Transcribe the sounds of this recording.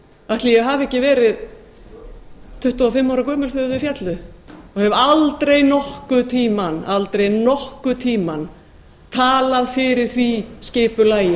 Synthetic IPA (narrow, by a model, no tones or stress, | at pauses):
aht̪lijɛɦaːvɛhcɪvɛːɾɪð | t̪ʰʏht̪afɪmːawɾakʰœːmʏ̥sθʏðʏfjɛt̪lʏɔɣhɛvalt̪ɾejnɔhkʏt̪ʰiːmanalt̪ɾejnɔhkʏt̪ʰiːman | t̪ʰaːlaðfɪɾɪɾ̥θvisceːpʏlaːjɪ